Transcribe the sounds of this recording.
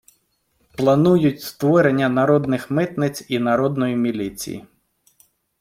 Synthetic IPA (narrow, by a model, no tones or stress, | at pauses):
plˠɐnujʊtʲst̪ʋɔɾenʲːɐnɐɾɔd̪nɪxmɪt̪nɪt͡sʲinɐɾɔd̪nɔjimʲilʲit͡sʲḭjḭ